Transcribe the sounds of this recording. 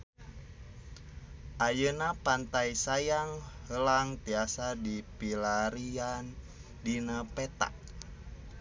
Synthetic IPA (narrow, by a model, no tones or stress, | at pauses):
ʔajənapant̪ajsajaŋhəlaŋt̪iasadipilaɾian | dinapɛt̪a̰k̚